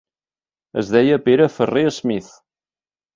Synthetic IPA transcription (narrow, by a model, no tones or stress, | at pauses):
əzðɛjəpeɾəfəreəzmiθ